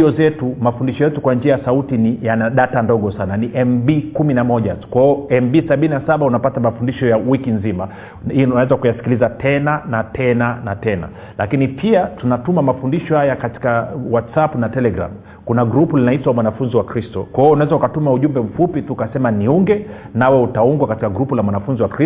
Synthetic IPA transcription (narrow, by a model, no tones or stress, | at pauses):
iɔzɛtumafundiʃɔjɛtukwand͡ʒiajasautinijanaɗatandɔɠɔsananiʔɛmbikuminamɔʄatu̥kwaɔɛmbisaɓininasaɓaunapatamafundiʃɔjawikinzima | inawɛzakujasi̥kilizatɛnanatʰɛnanatɛna̰ | lakinipʰiatunatumamafundiʃɔhajakati̥kawatsapnatɛlɛɡɾa̰m | kunaɡɾupulinaitwamwanafunziwakɾistɔkwaiunawɛzaukatumauʄumbɛm̩fupitukasɛmaniuŋɡɛnawɛutauŋɡwakati̥kaɡɾupulamwanafunziwakɾi